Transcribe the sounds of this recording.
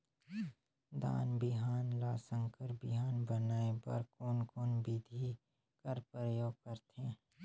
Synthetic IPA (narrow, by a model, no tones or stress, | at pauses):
d̪a̰ːnbɪɦaːnlaːsə̃ŋkəɾbɪɦaːnbənaːepɐ̰ɾkonkoːnbid̪ʱi | kəɾpɾəjoːɡ̚kəɾt̪ʰẽ